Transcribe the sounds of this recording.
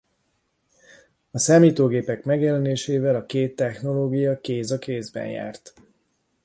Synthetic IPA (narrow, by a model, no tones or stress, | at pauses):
ɒsaːmiːt̪oːɡeːpɛkmɛɡjɛlɛneːʃeːvɛlɒkeːt̪ːɛxno̞loːɡijɒkeːzɒkeːzbɛ̰nja̰ːrt̪